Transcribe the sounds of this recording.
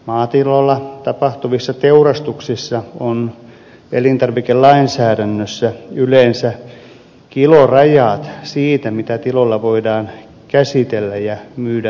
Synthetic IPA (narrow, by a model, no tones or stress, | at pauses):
mɑːt̪ilolːɑt̪ɑpɑht̪uʋisːɑt̪eurɑst̪uksisːɑon | elint̪ɑrʋikellɑinsæːdænːøsːæyleːnsæ | kilorɑjɑːt̪siːt̪æmit̪æt̪ilolːɑʋoidɑːn | kæsit̪elːæjjɑmyːdæ